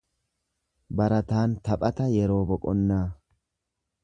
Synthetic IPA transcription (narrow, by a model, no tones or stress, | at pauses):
bɐɾɐt̪aːnt̪ɐpʼɐt̪ɐjɛɾo̞ːbɔkʼɔnːaː